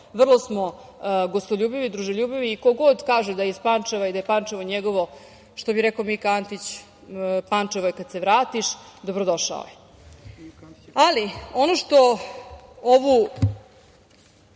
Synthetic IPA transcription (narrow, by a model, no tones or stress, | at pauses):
ʋr̩lˠosmo̞ | ɡost̪oʎʲuːbiʋid̪ɾuʒoʎuːbiʋiːko̞ɡo̞d̪kaːʒud̪aispant͡ʂeʋaid̪ajepant͡ʂeʋo̞ɲeɡo̞ʋo̞ | ʃt̪obiɾekomikant̪it͡ɕ | pant͡ʂeʋojekad̪se̞ʋɾaːt̪iʃd̪obɾod̪o̞ʃa̰o̰je | alio̞noʂt̪o̞ | oʋu